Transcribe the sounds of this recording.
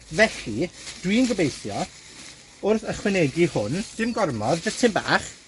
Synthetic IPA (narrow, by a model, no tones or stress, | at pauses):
vɛɬid̥wiənɡɔbejθjɔ | ʊrθəχwɪnɛɡihʊnd̥ɪmɡɔrmɔðd͡ʒətʰɪmba̰ːχ